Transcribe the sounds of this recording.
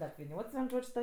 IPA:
ɐpʲʋʲɪˈnʲoːts ʋʲiɛn ˈʒoːt͡ʃʲ tɐ

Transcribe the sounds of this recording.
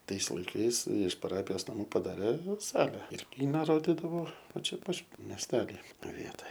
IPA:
ˈtɐɪs lˠɐɪˈkɐɪs ɪʃ pɐˈrɑːpʲɪjoːs nɐˈmuː pɐdɐˈrʲeː ˈsɑːlʲɛ ɪr ˈkʲiːnɐ ˈroːdʲɪdɐʋoː ˈʋɐ ˈt͡ʃʲɛ ˈpɐt mʲɛsʲˈtʲæːlʲɪ ˈʋʲiɛtoːj

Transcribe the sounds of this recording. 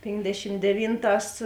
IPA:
ˈpʲeːnʲdʲɛʃʲɪm dʲɛˈʋʲiːnˌtɑːs

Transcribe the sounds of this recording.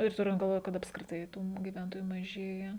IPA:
ɪr ˈtʊrʲɪnt ɡɐlˠˈʋoːj kɐt ɐpskrʲɪˈtɐɪ tuː ɡʲɪˈʋʲɛntoːjuː mɐˈʒʲeːjɛ

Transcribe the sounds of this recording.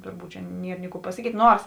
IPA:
ˈtʊrˌbuːt t͡ʃʲɛ ˈnʲiɛr nʲɪ ˈkuː pɐsɐˈkʲiːtʲ ˈnoːrs

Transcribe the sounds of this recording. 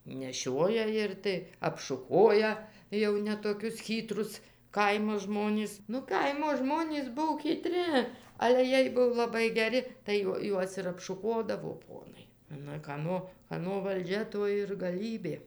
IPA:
nʲɛˈʃʲoːjɛ ˈɪr tɐɪ ɐpʃʊˈkoːjɛ jɛʊ nʲɛ toːˈkʲʊs ˈxʲiːtrʊs ˈkɐɪmoː ˈʒmoːnʲɪs nʊ ˈkɐɪmoː ˈʒmoːnʲiːs ˈbuɔ kʲiːˈtʲrʲɪ ˈɑːlʲɛ ˈjiɛj ˈbʊʋoː lˠɐˈbɐɪ ɡʲɛˈrʲɪ tɐɪ ˈjuɔ ˈjuɔs ɪr ɐpʃʊˈkoːdɐʋoː ˈpoːnɐɪ nʊ kɐˈnoː kɐˈnoː ʋɐlʲˈd͡ʒʲɛ ˈtoː ɪr ɡɐˈlʲiːbʲeː

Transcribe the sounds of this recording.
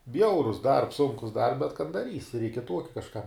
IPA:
ˈbʲjɛʊrʊs dɐrps ˈsʊŋkʊs dɐr bʲɛt kɐn dɐˈrʲiːsʲɪ rʲɛɪk ɪ ˈtuɔkʲɪ kɐʃˈkɐm

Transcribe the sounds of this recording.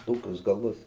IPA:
ˈtoːkʲʊs ɡɐˈlˠʊs

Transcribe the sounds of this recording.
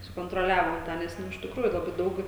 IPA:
sʊkoːntroːˈlʲæːʋoːm ˈtɑː nʲɛs ˈnʊ ɪʃ tʲɪkˈruːjʊ lˠɐˈbɐɪ ˈdɐʊk

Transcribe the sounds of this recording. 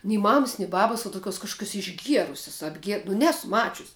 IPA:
nʲɛɪ ˈmɑːmɐs nʲɪ ˈbɑːbɐs uɔ tʊˈkʲuɔs kɐʃkʊˈkʲuɔs ɪʒʲˈɡʲiɛrʊsʲɛs ɐbʲˈɡʲiɛ nʊ ˈnʲæːsʊ ˈmɑːt͡ʃʲʊsʲ

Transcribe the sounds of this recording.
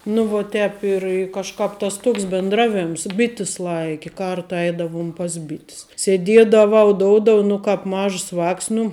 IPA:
nʊ ʋoː ˈtʲɛːp ɪr ɪ kɐʃˈkɑːp tɐs ˈtoːks bʲɪndˈrɑːˌʋʲeːms ˈbʲɪtʲɪs ˈlˠɐɪkʲɪ ˈkɐrtɐ ˈɛɪdɐʋʊm pɐs ˈbʲɪtʲs sʲɛˈdʲiɛdɐʋɐʊ ˈdoːʊdoːw nʊ ˈkɑːp ˈmɐʃs ˈʋɑːks nʊ

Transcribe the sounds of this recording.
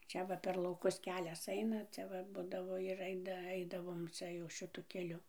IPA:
ˈt͡ʃʲɛ ʋɐ pʲɛr lˠɐʊˈkʊs ˈkʲæːlʲɛs ˈɐɪnɐ ˈt͡sʲɛ ʋɐ ˈbʊdɐʋoː ɪr ˈɐɪdɐ ˈɐɪdɐʋoːm ˈt͡sʲɛ jɛʊ ʃɨˈtʊ kʲɛˈlʲʊ

